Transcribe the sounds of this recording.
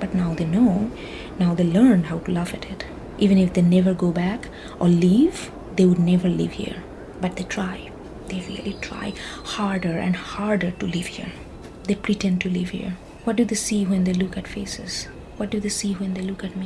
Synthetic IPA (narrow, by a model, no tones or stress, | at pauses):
b̥ʌʈnaʊd̪enoʊ | naʊd̪eːləɾnɦaʊʈulavɨʈɪt | ʔiːʋɨ̃nɪfd̪enɛʋəɾɡoːbæk | ʔɔliv | d̪eːwʊɖ̚nɛvəɾlɪ̰ʋhḭəɾ | bʌʈ̚d̪eʈʰɾaɪ | d̪̥eɾḭəliʈʰɾa̰ɪhaɹɖəɾɛ̰̃nɖhaɹɖə˞ʈulɪʋhḭɾ | d̪epɾiʈɛ̃nɖ̚ʈulɪʋhḭɹ | wɔʈ̚dud̪esiwɛ̃nd̪eːlʊkæʈfeːsɪz̥ | wɔt̚dud̪esiwɛ̃nd̪elʊkæʈmi